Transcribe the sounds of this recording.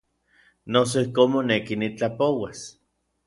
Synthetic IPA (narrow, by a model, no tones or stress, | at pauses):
nos̬oihkoːnmonekinit͡ɬapowas